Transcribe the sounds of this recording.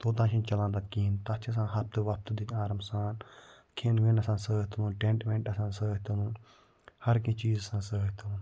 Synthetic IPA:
t̪oːt̪ãːʃʰĩnt͡ʃɐlãːnd̪ɐkiːnt̪ɐt͡ʃʰɐs̬ãːɦɐp̚t̪ɨʋɐp̚t̪d̪it̪aːɾɐmsaːn | kʰeːnʋenɐsãːnsəːɦt̪ɐnũːʈẽɳʈmẽɳʈɐsãːnsəːɦt̪ɐnũn | hɐɾkĩːt͡ʃiːzsãːsəːɦt̪ɐnũː

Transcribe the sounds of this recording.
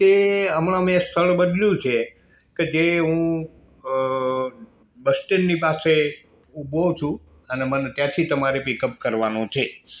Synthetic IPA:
t̪eəmɳamẽst̪ʰəɭbəd̪ljũt͡ʃʰe | ked͡ʒeɦũ | bəsʈenːipase | ubot͡ʃʰũ | ənemənet̪jãt̪ʰit̪əmaɾepikəp̚kəɾʋanõt͡ʃʰe

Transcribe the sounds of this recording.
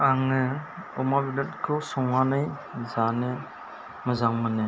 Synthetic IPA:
aŋɯɔmabilɯt̚kʰɯsɔŋanɯj | zanɯ | mɯzaŋmanɯ

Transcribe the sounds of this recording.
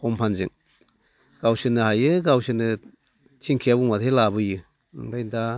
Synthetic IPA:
kɔmpʰanzɯ̰ŋ | ɡ̥awsɯnɯhajɯɡawsɯnɯ | tʰiŋkʰiabuŋmatʰelabɯjɯ | ŋbajnda

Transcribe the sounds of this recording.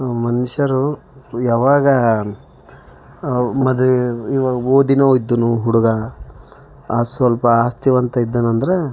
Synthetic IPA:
mɐniʂɐɾujaːʋaːɡɐ | mɐd̪iʋɐoːd̪inɐid̪ːunuɦuɽuɡɐ | aːsʋɐlpɐaːst̪iʋɐnt̪ɐid̪ːɐnɐnd̪ɐɾe

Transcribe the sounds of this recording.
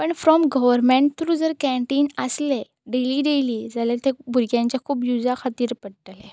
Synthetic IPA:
pəɳfɾɔmɡəʋəɾmẽɳʈt̪ːuɾud͡zəɾkɛ̃ɳʈiːnəsle | ɖeliːɖeliːd͡zalet̪ebʱuɾɡjãɲt͡ɕjakʰuːpjud͡zakʰat̪iːɾpəɽʈ̪le

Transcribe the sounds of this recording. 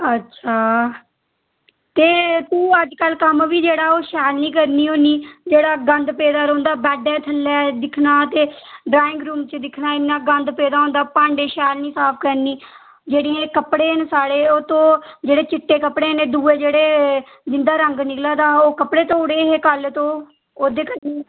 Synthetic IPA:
ətːʃʰaː | t̪eːt̪ũːəd͡ʒkəlkəmʋiːd͡ʒeːɽaːoːʃɛːlniːkəɾniːɦoːniːd͡ʒeːɽaːɡənd̪peːd̪aːɾõːnd̪aːbɛːɖɛ̃ːt̪ʰəlːɛːd̪ɪkʰnaːt̪eːɖɾaːɪ̃ŋɡɾuːmt͡ʃəd̪ɪkʰnaːɪnːãːɡə̃nd̪peːd̪aːõːnd̪aːpãːɳɖeːʃɛːlniːsaːpʰkəɾniː | d͡ʒeːɽiːẽːkəpɽeːnesaːɽeːoːt̪õːd͡ʒeːɽeːt͡ʃɪʈːeːkəpɽeːneːd̪uːeːd͡ʒeːɽeː | d͡ʒɪnd̪aːɾəŋɡnɪklãːd̪aːoːkəpɽeːt̪õːʊɽeːɦeːkəlt̪õː | oːd̪eːkəɾniː

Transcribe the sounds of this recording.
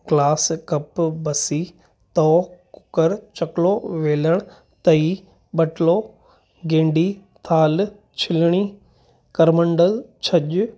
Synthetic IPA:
ɡlaːskɐpbɐsi | t̪ɔːkʊ̥kəɾt͡ɕɐkloʋeːləɽ̃ʊ | t̪ɐi | ɓɐʈloː | ɡẽːɳɖit̪ʰaːl | t͡ɕʰɪlɽ̃iː | kɐɾməɳɖəlt͡ɕʰɐʄʊ

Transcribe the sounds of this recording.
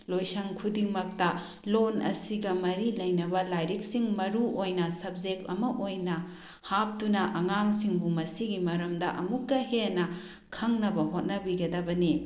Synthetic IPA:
lojsɐŋkʰudiŋmɐk̚tɐ | lonɐ̰siɡɐmɐɾilɐjnɐbɐlajɾik̚siŋmɐɾuʔojnɐsɐb̚d͡ʒek̚tɐmɐʔojnɐ | hap̚tunɐʔɐŋaŋsiŋbumɐsiɡimɐɾɐmdɐʔɐmukːɐɦenɐ | kʰɐŋnɐbɐɦot̚nɐbiɡɐdɐbɐni

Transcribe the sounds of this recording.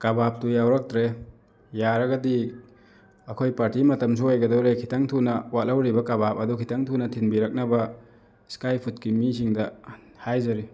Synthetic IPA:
kabap̚tujawɾɐk̚tɾe | jaɾɐɡɐdi | ɐkʰojpaɾtimɐtɐms̬uojɡɐdowɾekʰitaŋtʰunɐwalawɾibɐkabap̚ɐdukʰitʰaŋtʰunɐtʰinbiɾɐk̚nɐbɐ | skajpʰut̚kimisiŋdɐ | hajzɐɾi

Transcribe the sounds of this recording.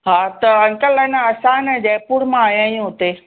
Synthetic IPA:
ɦaːt̪ɐɐŋkəlɐnaɐsãːnd͡ʑɐːpuːɽmãaːɦjãːjũɦʊt̪e

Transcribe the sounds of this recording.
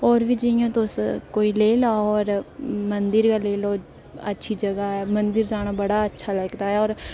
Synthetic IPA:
ɔːɾʋiːd͡ʒɪjõːt̪oskoːiːleːlaɔːɾmənd̪əɾkaːleːlɔː | ə̰tːʃʰiːd͡ʒəɡaːɛːmənd̪əɾd͡ʒaːɽ̃aːbəɽaːətːʃʰaːləɡd̪aːɦɛːɔːɾ

